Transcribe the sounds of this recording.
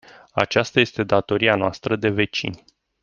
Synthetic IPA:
a̰t͡ʃast̪aje̞st̪e̞d̪at̪o̞ɾianoast̪ɾəd̪e̞ve̞t͡ʃḭnʲ

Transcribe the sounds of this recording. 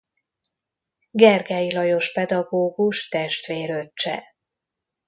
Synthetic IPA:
ɡɛrɡɛjilɒjo̞ʃpɛd̪ɒɡoːɡuʃt̪ɛʃt̪ʋeːɾøt͡ʃːɛ̰

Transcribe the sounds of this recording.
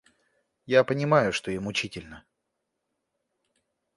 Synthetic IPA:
japənʲɪmajʊʂt̪oɪmʊt͡ɕitʲɪlʲnə

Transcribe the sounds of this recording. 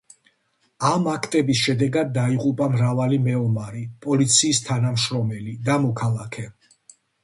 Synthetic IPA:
amakʰt̪ʼɛbisʃɛd̪ɛɡad̪ːaiqʼupʼamɾavalimɛɔmaɾipʼɔlit̪sʰiːst̪ʰanamʃɾɔmɛlid̪amɔkʰalˠakʰɛ

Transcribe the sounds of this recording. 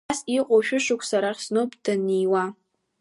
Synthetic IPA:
siqʷʼowʃᶣʊʃʊkʷʰsaɾarsnowpʼd̥anijwa

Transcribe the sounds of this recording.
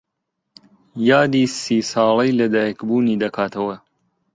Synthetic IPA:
jaːd̪iːsiːsɑːlˠɐjlɐd̪aːjkbuːniːd̪ɐkʰaːt̪ʰɐwɐ

